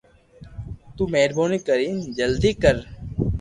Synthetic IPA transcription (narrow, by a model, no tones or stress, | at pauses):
t̪uːmeːɾboːnikəɾiːnd͡ʒəld̪iːkəɾ